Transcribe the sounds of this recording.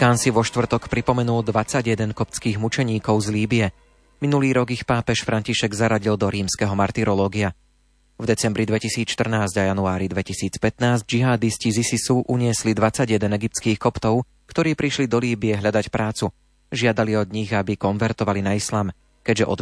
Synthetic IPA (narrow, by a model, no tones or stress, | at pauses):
kaːnsiʋɔʃt̪ʋr̩t̪ɔkpɾipɔmɛnuld̪ʋat͡saɟjɛd̪ɛnkɔpt͡skiːɣmut͡ʃɛɲiːkɔʊzliːbiɛ | minuliːɾɔɡixpaːpɛʃfɾʔaɲciʃɛɡzaɾaɟild̪ɔɾiːmskɛɦɔmaɾt̪iɾɔlɔːɡia | vd̪ɛt͡sɛmbɾid̪ʋɛcisiːt͡sʃt̪r̩naːzɟajanuaːɾid̪ʋɛcisiːt͡spɛt̪naːzɟd͡ʒiɦaːd̪iscizisisuʔuɲɪɛslid̪ʋat͡saɟjɛd̪ɛnɛɡip̚t̪t͡skiːxkɔpt̪ɔʊ | kt̪ɔɾiːpɾiʃlid̪ɔliːbiɛɦʎad̪acpɾʔaːt͡su | ʒɪad̪aliɔd̪ɲiɣabikɔnʋɛɾt̪ɔʋalinaislaːm | kɛɟʒɛʔɔ̰d̪